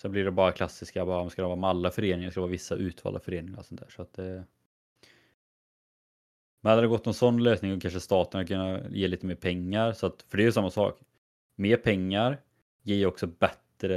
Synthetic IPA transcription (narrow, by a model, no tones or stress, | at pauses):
sɛnblɪɖɛbɑːɾakʰlasːɪskabɑːɾskad̪ɔvɑːmɛalːafœɾeːnɪŋaɾskad̪ɛvɑːvɪsːaʔʉ̟ːt̪ʰvɑ̰ːld̪a̰fœɾeːnɪŋa̰ɾɔsɔnt̪ʰæ̰ːʂɔat̪̚d̪ɛ | mɛnad̪aɾd̪ɛɡɔt̪ːnɔnsɔnːløːsnɪŋɔkʰanʂəst̪ɑːt̪ənhakʰɵnːajeːliːt̪əmeːɾpʰɛŋːaɾsɔat̪fœɖɛɛjʉsamːasɑ̰ːk | meːɾpʰɛŋːaɾ | jeːjaɔksɔbɛt̪ɾə